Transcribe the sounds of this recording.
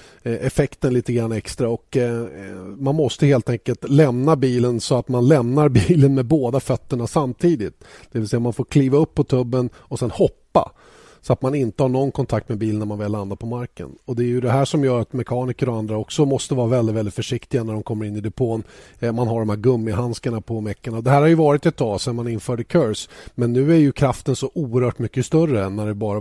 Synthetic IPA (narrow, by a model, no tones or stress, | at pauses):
ʔɛfɛkt̪ənliːt̪əɡɾanːɛkst̪ɾaɔk | manmɔst̪əheːlt̪ʰɛŋkəlt̪lɛmnabiːlənsɔat̪manlɛmnaɾbiːlənmɛboːd̪afœt̪ːəɳasamt̪ʰiːd̪ɪt̪d̪̥ɛvɪlsɛjːamanfoːɾkʰliːvaɵpːɔt̪ʰɵbːən | ɔsɛnhɔpːa̰ | sɔat̪manɪnt̪əhɑɳɔnːkʰɔnt̪ʰakt̪mɛbiːlənːæɾmanvɪlːand̪apʰɔmaɾkə̰nɔd̪ɛːjɵd̪ɛɦæːʂɔmjœːɾat̪mɛkʰɑːnɪkəɾɔand̪ɾaɔksɔmɔst̪əvɑːɾavɛld̪ɪt̪vɛlɪt̪fœʂɪkt̪ɪɡanæɖɔmkʰɔmːəɾɪnːɪd̪ɛpʰoːn | manɦaɖɔmhæːɾɡɵmːɪɦanskaɳapʰɔmɛkːaɳaɔd̪ɛɦæːɾhaɾjɵvɑːɾɪt̪ɛt̪ʰːɑːsɛnmanɪnːfœːɖəkʰœɾsmɛnːʉ̟ːæɾjɵkʰɾaft̪ənsɔʔuːəɾhœːʈmʏkːəst̪œrəɛnːæɖɛbɑːɾa